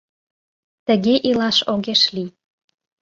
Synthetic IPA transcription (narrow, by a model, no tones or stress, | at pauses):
t̪ə̆ɣeʔilɑʃoɣeʃli